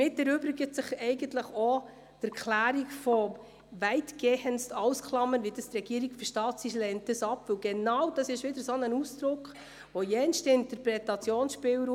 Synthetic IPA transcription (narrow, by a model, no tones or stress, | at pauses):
mɪtɛɾøbɾɪɡətsɪχɛɪɡəntləχo | tɛɾkʰlæːɾiɡfɔ | vɛɪtɡ̥eːhənsɑwskχlɑmːənʋidəst̪rɛɡ̥iːəɾiɡfəʃtɑːtsiʃlɛnt̚dəsɑpːvɵwɡɛnɑwd̥ɑsɪʃʋɪdəɾsonənusd̥ɾʊkχ | ʋojɛnstɪntəɾpɾɛtɑt͡sjoːnsʃpɪːwɾu